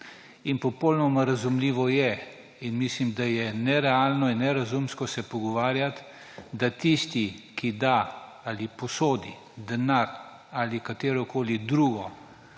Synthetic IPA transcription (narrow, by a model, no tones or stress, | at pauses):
inpɔpɔwlnɔmaɾazumliːʋɔjɛ | inmislimd̪ajɛnɛɾɛaːlnɔinːɛɾazumskɔsɛpɔɡɔʋaːɾjat̪ | d̪at̪ist̪ikid̪a | alipɔsoːd̪i | d̪ɛnaɾ | alikat̪eːɾɔkoːlid̪ɾuːɡɔ